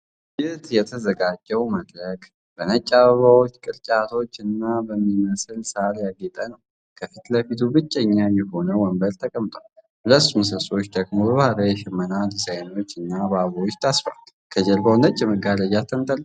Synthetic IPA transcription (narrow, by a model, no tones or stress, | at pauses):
jɪht̪jɛt̪ʰəzəɡad͡ʒːəwməd̪ɾəkʼ | b̥ənət͡ʃʼːaβəβawo̞t͡ʃːkʼɨɾt͡ʃʼat̪ʰo̞t͡ʃːɨnːabəmːiməsɨlsaljaɡet̪ʼənəw | kʰəfit̪ləfit̪ʰubɨt͡ʃʼːɲːajɛho̞nəwɔmbəɾt̪ʰəkʼəmt̪ʼwal | bɨləsumsəso̞t͡ʃːd̪ʰəɡmobəβhaɾəjɛʃɪmːənalsəjno̞t͡ʃːɨnːaβaβwot͡ʃːt̪ʰasfal | kʰəd͡ʒɛlbawnət͡ʃʼːɛməɡaləjat̪ʰːənt̪ʼəl